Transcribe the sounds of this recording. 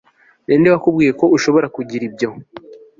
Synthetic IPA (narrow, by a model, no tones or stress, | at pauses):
neːndewakubɡiːje̞ko̞uʃo̞βo̞ɾakuɟiɾibjo̞